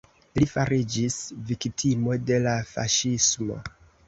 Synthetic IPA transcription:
lifaɾid͡ʒisviktʰimo̞de̞lafa̰ʃismo̞̰

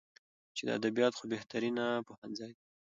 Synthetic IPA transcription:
t͡ʃed̪ə̰a̰d̪abijɑt̪xobeht̪aɾinapohanzɑji

